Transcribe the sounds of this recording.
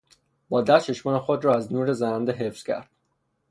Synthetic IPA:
b̥ɒːd̪æt͡ʃʰe̞ʃmɒːnexod̪ɾɒːæznuːɾezænænd̪eɦefz̥cʰʲæ̰ɾd̪̥̚

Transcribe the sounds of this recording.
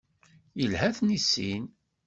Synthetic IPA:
jəlhæθnisːin

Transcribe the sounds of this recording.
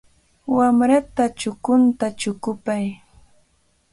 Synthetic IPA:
wamɾat̪at͡ʃʊkʊnt̪at͡ʃʊkʊpaj

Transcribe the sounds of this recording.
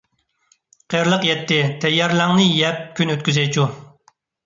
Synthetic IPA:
qʰeɾlˠəqjɛt̪ʰːɪt̪ʰɛjːɑɾlˠɑŋnɨjɛp̚kʲynøt̪̚kʲyzɛjt͡ʃʰu

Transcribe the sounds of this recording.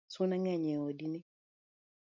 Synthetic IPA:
sunaŋaɲɛodini

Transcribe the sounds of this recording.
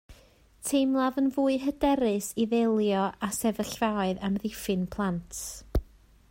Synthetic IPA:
tʰejmlˠaðənvuːɨɦədɛɾɨsiðelˠjɔʔasɛvəɬvaɨðamðɪfɨnpʰlˠantʰ

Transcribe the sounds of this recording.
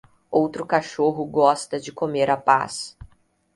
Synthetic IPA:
owt̪ɾʊkaʃoɦʊɡɔst̪ɐd͡ʒɪkomeɾapa̰s

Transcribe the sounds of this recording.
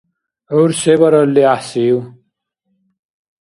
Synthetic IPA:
uɾsebɐɾɐlːiahsiw

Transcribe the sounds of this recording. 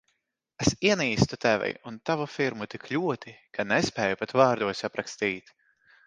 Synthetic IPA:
esiɛniːst̪ut̪ɛvɛ̰junt̪avufiɾmut̪ikʰlʲuɔt̪ikʰanɛspɛːjupat̪vaːɾd̪uɔsapɾakst̪iːt̪

